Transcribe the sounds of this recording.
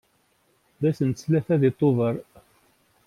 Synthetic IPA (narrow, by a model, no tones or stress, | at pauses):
ðæsənslæθæðɪt̪ˤːovəɾˤ